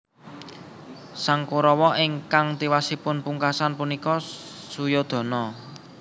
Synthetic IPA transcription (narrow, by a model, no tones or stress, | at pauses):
saŋkoɾɔwɔʔɪŋkaŋt̪iwasipʊnpuŋkasanpunikɔ | sujod̪̥ɔ̤nɔ